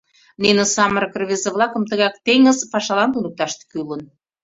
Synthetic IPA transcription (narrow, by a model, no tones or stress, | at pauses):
nenəsɑməɾəkərβezeβlˠɑkə̆mt̪əɣɑkt̪eŋə̆zpɑʃɑlɑnt̪unək̚t̪ɑʃt̪kylən